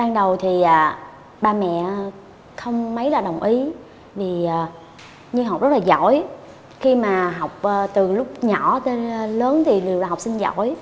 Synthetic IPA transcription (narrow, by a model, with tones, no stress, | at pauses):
ɓaː˧ŋɗə˨˩wt̪ʰi˨˩ʔəː˨˩ | ɓaː˧mɛ̰˧˨ | xə˧wŋ͡mmə˨˦jlaː˨˩ɗə˨˩wŋ͡mʔi˨˦ | vi˨˩ʔəː˨˩ | ɲɨ˧ɦa˨˩k͡p̚zə˦˥laː˨˩zɔ̰˧˩˨j | xi˧maː˨˩ɦa˨˩wk͡p̚ʔəː˨˩t̪ɨ˨˩lʊ˦˥k͡p̚ɲɔ˧˩˥t̪e˧n˨ləː˨˦nt̪ʰi˨˩li˨˩əwɗaː˨˩ɦwk͡p̚si˧nzɔ̰˧˨j